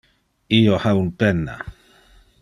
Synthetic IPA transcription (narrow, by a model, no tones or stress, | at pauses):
iohaunpenːa̰